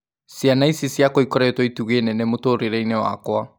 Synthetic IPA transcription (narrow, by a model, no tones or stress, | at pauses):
sianaisisjakoikɔɾɛtwɔituɣenɛnɛmotoɾeɾɛinɛwa̰kwa